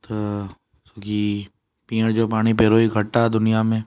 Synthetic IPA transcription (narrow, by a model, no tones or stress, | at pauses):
t̪o | soːki | pĩːəɽ̃d͡ʒoːpaːɽ̃ipeɾoːiɡʱɐʈːaɛd̪ʊnijamẽː